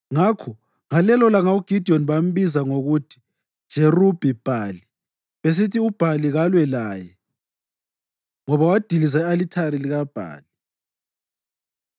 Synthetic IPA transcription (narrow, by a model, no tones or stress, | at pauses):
ŋakʰɔ | ŋalɛlɔlaŋauɡ̥ʱid̥ʱiɔnβam̩βizaŋoɣutʰi̥ | ʒ̥ʱerub̥ʱib̥ʱaːli | βes̬itʰiub̥ʱaliɣalwɛlaːjɛ | ŋɔβawad̥ʱilizɛalitʰaɾiliɣab̥ʱa̰ːli